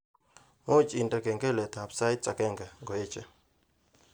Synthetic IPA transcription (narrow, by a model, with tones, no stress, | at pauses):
mo˦t͡ʃʼi˨ntʼa˨kɛ˨ŋɡɛ˦lɛ˨t̪a˨psa˦jt̚t͡sʼa˨kɛ˦˨ŋɡa˨ŋɡɔ˨ɛ˦t͡ʃʼɛ˨